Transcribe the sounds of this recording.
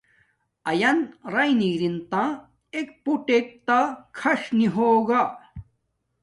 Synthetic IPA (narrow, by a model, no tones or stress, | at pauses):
ɐjɐnɾɐjniɾint̪ã | ek̚puʈek̚t̪akʰɐʂniɦoːɡa